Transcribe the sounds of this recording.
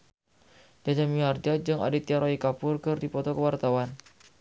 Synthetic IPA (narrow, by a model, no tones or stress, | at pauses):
d͡ʒad͡ʒamiard͡ʒad͡ʒɨŋa̰dit̪iaɾoikapʊrkɨrdipɔt̪ɔkəwart̪awan